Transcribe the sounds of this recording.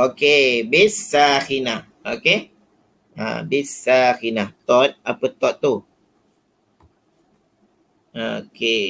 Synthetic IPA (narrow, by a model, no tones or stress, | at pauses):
okebesaxinah | oke | a̰bisaxinaht̪ɔt̪̚apət̪ɔt̪̚t̪ːu | ake